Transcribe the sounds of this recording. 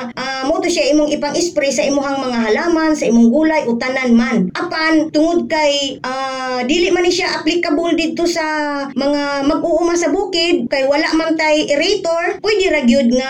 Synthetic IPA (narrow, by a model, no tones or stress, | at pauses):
ʔamot̪oʃjaʔiːmoŋʔɪpaŋʔɪspɾɪsaʔimʊɦaŋmɐŋaɦalaːmansɐʔimʊŋɡuːlajʔot̪ananmanʔapant̪ʊŋʊd̪̚kajʔa | d̪iːlɪʔmanɪʃjaʔaplɪkabold̪ɪd̪̚t̪osamɐŋamaɡ̚ʔʊʔʊmansɐbuːkɪd̪̚kajwalaʔmant̪ajʔɪɾɛjt̪oɹpwɛd̪ɪɾaɡjʊd̪̚ŋa